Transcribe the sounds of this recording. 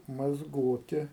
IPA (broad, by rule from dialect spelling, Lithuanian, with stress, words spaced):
mɐzˈɡoːtʲɪ